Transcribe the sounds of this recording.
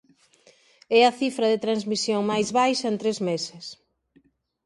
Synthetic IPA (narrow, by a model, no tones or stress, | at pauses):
ɛɐθifɾɐðɪt̪ɾanzmisjoŋmajzβajʃɐent̪ɾezmesɪs